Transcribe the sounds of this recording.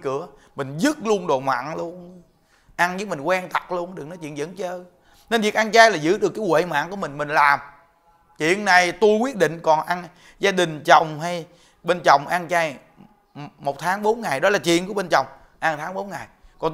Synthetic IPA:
kɨ˧˦ə | mï˨˩ŋ̟zɨ˦˥t̚lu˧ənɗo˨˩ma̰ː˧˨nlu˧ən | ʔa˧nɲɨ˧˦mï˨˩ŋkwɛ˧ŋt̪a˨˩t̚lu˧ənɗɨ˨˩ək̚nɔ˨˦t͡ɕwḭ˧˨ənzə̰˧˥nt͡ɕəː˧˦ | ne˧nvi˨ək̚ʔa˧nt͡ɕaː˧jlaː˨˩zɨ̰˧˥ɗɨ˨˩əkːaː˨˦jkwḛ˧˨ma̰ː˧˨nku˧˩əmï˨˩ŋ̟mï˨˩ŋ̟laː˨˩m | t͡ɕwḭ˧˨ənːa˨˩jt̪u˧jkwi˦˥ət̚ɗḭ̈˧˨ŋ̟kɔ˨˩nʔa˧n | zaː˧ɗï˨˩ŋ̟t͡ɕə˨˩wŋ͡mɦa˧j | ɓe˧nt͡ɕə˨˩wŋ͡mʔa˧ŋt͡ɕaː˧j | mo˨˩t̚t̪ʰaː˨˦ŋɓo˨˦nŋa˨˩jɗɔ˨˦laː˨˩t͡ɕwḭ˧˨ənku˧˩əɓe˧nt͡ɕə˨˩wŋ͡m | ʔa˧ŋt̪ʰaː˨˦ŋɓo˨˦nŋa˨˩jkɔ˨˩n

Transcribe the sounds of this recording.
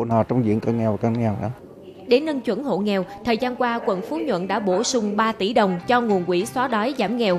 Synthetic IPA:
naː˨˩t͡ɕɔ˧wŋ͡mzḭ˧˨əŋkə˧nŋɛ˨˩wkə˧nŋɛ˨˩wʔa̰˧˦ | ɗe˧˦nːə˧nt͡ɕwə˧˥nɦo̰˧˨ŋɛ˨˩wt̪ʰəː˨˩jzaː˧nkwaː˧kwə˨˩nfu˨˦ɲwə̰˧˨nɗa̰ː˧˥ɓo˧˩sʊ˧ŋ͡mɓaː˧t̪i˧˩ɗə˨˩wŋ͡mt͡ɕɔ˧ŋu˨˩ənkwḭ˧˩swaː˨˦ɗɔ˨˦jzaː˧˩mŋɛ˨˩w

